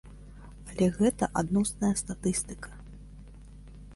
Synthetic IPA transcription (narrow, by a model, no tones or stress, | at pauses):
alʲɛɣɛt̪ɐʔad̪nɔsnɐjɐst̪at̪ɨst̪ɨ̥kɐ̥